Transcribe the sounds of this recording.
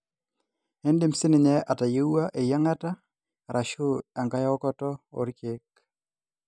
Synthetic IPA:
e˦ndɪ˦msɪ˦nɪ˨ɲɛ˦ʔa˨ta˨je˦a˦ʔe˨ja˦ŋa˦ta˦ | ɾʔa˨ʃʊ˦a˨ŋɡa˦jɔ˦kɔ˦tɔ˦o̰˨ɾke˦k

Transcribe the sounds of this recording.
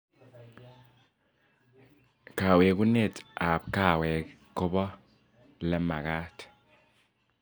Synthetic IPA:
ka˨we˨ku˦ne˦˨ta˨p̚ka˦˨wɛ˨ | kʊ˦bɔ˦ | lɛ˦ma̰˨kaː˦t

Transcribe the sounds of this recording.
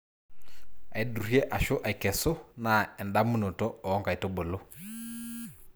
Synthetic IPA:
a˨i˨du˨ɾje˦ʔa˨ʃo˦ʔa˨jkɛ˨so˦na˨ɛ˨nda˦mu˦no˨to˦ɔ˨ɔ˦ŋka˨i˨to˦bo˨lo˦

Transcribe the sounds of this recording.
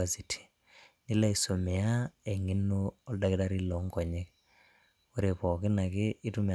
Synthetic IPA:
a˨si˨tʰi̥˨ | ni˦la˦i˨so˨mɛ˨a˦ɛ˨ŋi˦nːu˦ɔ˦lda˦kɪ˦da˦ɾi˦lɔ˨˦ŋkɔ˨ɲe˦k̚ | u˦ɾe˨pɔ˨kɪ˦na˨kɪː˦tu˦me˨

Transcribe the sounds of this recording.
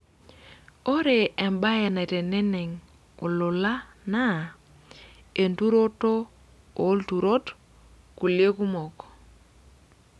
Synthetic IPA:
o˦ɾe˨ɛ˨mba˦ɛ˨na˨i˨tɛ˨nɛ˦nɛ˨ŋ | u˨lʊ˨la˦ | na˦ | e˨ntu˦ɾo˦to˦ | o˨˦ltu˨ɾo˦t | ku˨lje˦ku˦mɔ˨k

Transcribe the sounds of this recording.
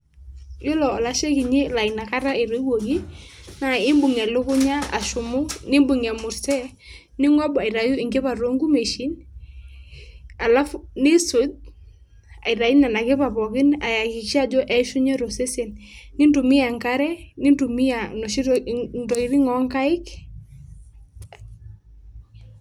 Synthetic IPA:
jo˦lɔ˨ɔ˨la˨˦ʃe˦ki˨ɲi˦la˨i˨na˨ka˦ɾa˦i˨ɾo˦wo˨ki˦na˨ɪ˦mbu˨ŋɛ˨lʊ˦kʊ˦ɲa˦a̰˨ʃʊ˨mʊ˦nɪ˦mbu˨ŋɛ˨mʊ˨ɾsɛ˦ | nɪ˦ŋɔ˦ba˨i˨ɾa˨ju˦ɪ˨ŋɡɪ˦pa˨ɾo˦ŋɡu˦me˨ʃi˦n | a˨la˦fnɪ˦sʊ˨d̚ | a̰˨i˨ɾa˨i˦na˨na˨kɪ˦pa˨pɔ˨kɪ˦na˨ja˨kɪ˨ʃi˦a˦d͡ʒɔ˦ʔɛ˦ʃu˦ɲɛ˦ɾo˨se˦se˨nnɪ˦ndu˨mi˦ja˨ŋka˦ɾɛ˦nɪ˦ntu˨mi˦a˨nɔ˨ʃi˦ndɔ˨ɪ˦ɾi˦ŋɔ˦ŋka˦ɪ˦k

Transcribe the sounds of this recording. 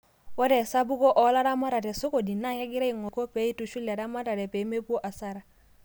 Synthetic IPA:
wɔ˦dɛ˨sa˦bu˦kɔ˦ʔɔ˨˦la˦ɾa˦ma˦ɾa˨tɛ˨so˦ko˨di˨na˦ka˦ɡɪ˦ɾa˦i˨ŋɔ˨kɔ˦pe˨˦i˦tu˨ʃu˦la˨ɾa˦ma˦ta˨tɛ˨pe˨˦me˦pu˦o˦ʔa˨sa˦ɾa˨

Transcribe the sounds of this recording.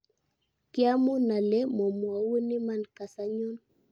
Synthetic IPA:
ki˦a˦mu˦na˨lɛ˦mɔ˨mwa˨wu˦ni˦ma˦˨nka˨sa˦ɲɔ˦n

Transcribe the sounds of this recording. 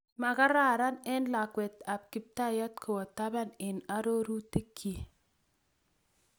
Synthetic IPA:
ma˨ka˦ɾa˨ɾa˦nɛ˦nla˨kwɛ˨ta˨p̚kɪ˦p̚ta˦jɔ˦tkʰʊ˨wɔ˨ta˦ba˦nɪ˨na˦ɾo˦ɾu˦ti˦kʰːi˨

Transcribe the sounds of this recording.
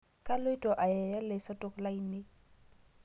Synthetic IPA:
kʼa˦lo˦i˦tʼɔ˨ʔa˨jɛ˨ja˦lɛ˨sa˦tʼʊ˦kla˦i˦nɪ˦

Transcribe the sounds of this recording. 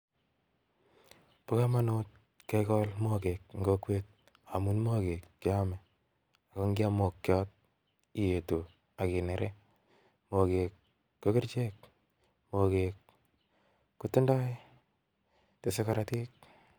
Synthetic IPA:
pʊ˦ka˦ma˦no˦t̚ | kekɔ˦lmo˦ke˨k̚ŋɡo˦kwe˦t̚ | a˨mu˦nmo˦ke˨kːi˦ɔ˦mɛ˨ | a˨kɔ˦ŋɡja˦mo˨kːjɔ˦t̚ | i˨je˨to˨ | a˨ki˨ne˨ɾe˦ | mo˨ke˨kː | o˦ki˦ɾt͡ʃe˦k | mo˨ke˨k | u˦tɪ˦ndɔ˦ | te˨se˦kɔ˨ɾa˦ti˦k̚

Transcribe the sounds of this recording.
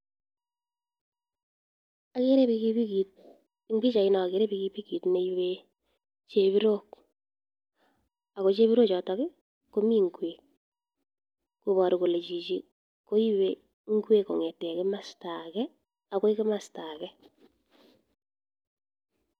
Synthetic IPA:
a˨ke˦ɾe˦iki˦pi˦ki˨t̚ | ŋbi˦t͡ʃa˨ɪ˦nɔ˨a˨ke˨ɾe˦pi˧kipi˦ki˨tne˨iwe | t͡ʃe˦βi˦ɾo˦k̚ | a˨ko˨t͡ʃe˦βi˦ɾo˦t͡ʃɔ˨tɔ˨kɪ˦ | ko˦mi˦ŋɡwe˨k̚ | ku˨βɔ˨ɾu˨ko˨le˨t͡ʃi˨t͡ʃi˦ | ko˦i˦we | ŋɡwe˦ko˨ŋe˨tɛ˨kɪ˦ma˨sta˨kɛ˦ | a˨ko˦i˦kɪ˦ma˨sta˨kɛ˦

